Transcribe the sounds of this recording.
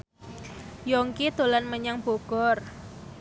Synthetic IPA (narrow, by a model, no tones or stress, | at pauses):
jɔŋkit̪olanməɲaŋb̥oɡ̥ɔr